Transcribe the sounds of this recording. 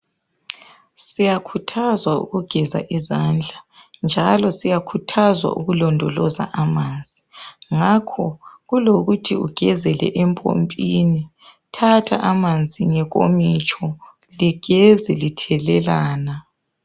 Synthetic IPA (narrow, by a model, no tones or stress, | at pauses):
sijakʰutʰazwaṵɣuɡ̥ʱɛza̰ʔizand͡ɮʱa | nd͡ʒʱalɔsijakʰutʰazwa̰ʔuɣulɔndʱɔlɔza̰ʔamand͡zʱiŋakʰɔɣuloɣutʰiṵɡ̥ʱɛzɛlɛ̰ʔɛmpʼo̰mpʼini | tʰatʰa̰ʔamand͡zʱiŋɛɣʼo̰mit͡ʃʼɔ | liɡ̥ʱɛzɛlitʰɛlɛlaːna